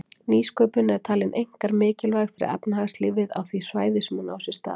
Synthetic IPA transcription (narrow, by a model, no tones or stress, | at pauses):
niːskœːpʏnɛɾt̪ʰaːlɪnʔejŋ̥kaɾmɪːcɪlvajxfɪɾɪ̰ɾɛ̰pnahaɣslɪːvɪða̰wθvisvaːjðɪsmunawsɪst̪a̰̥ː